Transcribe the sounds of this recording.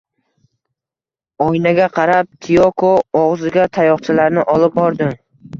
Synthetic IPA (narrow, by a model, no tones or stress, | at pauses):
ɒjnaɡʲaqʰɑɾap̚t̪ʰijokʰoːʁzɪɡʲat̪ʰajɒχt͡ʃʰɪlaɾnɪʔɒlˠɪp̚bɒɾd̪ɪ